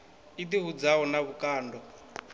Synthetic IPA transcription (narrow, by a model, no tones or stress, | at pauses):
it̪iɦud͡zaɦɔnaβukaːndɔ